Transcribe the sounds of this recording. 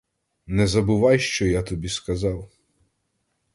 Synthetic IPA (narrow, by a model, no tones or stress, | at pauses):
nɛzɐbʊʋɑjʃt͡ʃɔjat̪ɔbʲiskɐzɑw